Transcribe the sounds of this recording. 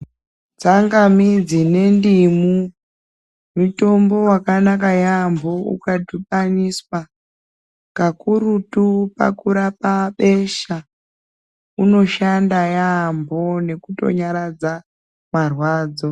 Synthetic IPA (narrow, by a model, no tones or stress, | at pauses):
t͡saŋɡamid͡zine̞ndimu | muto̞mbo̞wakanakajambo̞ṵkadʱuɓaniswa | kakuɾutupa̰kuɾapaɓe̞ʃa | uno̞ʃandajambʱo̞ne̞kuto̞̰ɲaɾad͡za | marwaːd͡zo̞